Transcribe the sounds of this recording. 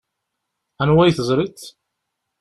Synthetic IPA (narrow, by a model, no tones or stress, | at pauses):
ænwæjθəzˤɾˤit͡s